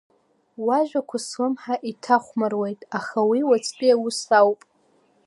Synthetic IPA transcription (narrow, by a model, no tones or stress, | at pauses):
waʒᶣʷakʷʰaslɨmħaʔitʰaχʷmarwejtʼaχawiwat͡sʰʼpʼijawʊsawpʼ